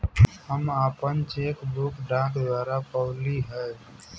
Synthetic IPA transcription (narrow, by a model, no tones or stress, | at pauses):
həmaːpənt͡ʃekbʊkɖãkd̪waːɾapəʊliɦə